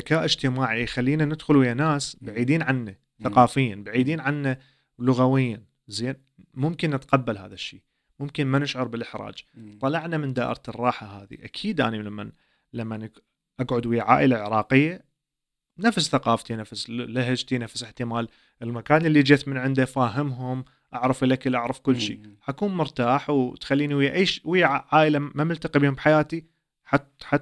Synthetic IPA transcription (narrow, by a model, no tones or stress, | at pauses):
akaːʔɪd͡ʒt̪ɪmaːʕijxalːiːnanɪd̪xʊlwɪjanaːsbaʕiːd̪iːnʕanːa | θaqɑːfɪjːanbaʕiːd̪iːnʕanːa | lʊɣawɪjːa | zeːn | mʊmkɪnːat̪qabːalɦa̰ːðaʃːiː | mʊmkɪnmanɪʃʕɑɾbɪlʔɪħɾˤɑ̰ːd͡ʒt̪ˤɑlɑʕnamɪnd̪aːʔɪ̰ɾˤt̪rˤːɑːħahaːðḭʔakʰiːd̪ʔa̰nilamːan | lamːan | ʔaɡʕʊd̪wɪjːaʕa̰ːʔɪlaʕɪɾˤɑːqɪjːa | nafsθaqɑːft̪inafslaɦɪd͡ʒt̪inafsɪħt̪ɪmaːl | ɪlmakaːnʔlːid͡ʒat̪mɪnʕɪnd̪afaːɦɪmɦʊm | ʔaʕɾˤɑfɪlʔakɪlʔaʕɾˤɑfkʊlːʃḭːħakuːnmʊɾt̪aːħwt̪xalːiːniwɪjːaʔajːʃwɪjːaʕaːʔɪlamamɪlt̪aqibiːhʊmbħajaːt̪i | ħat̪ħa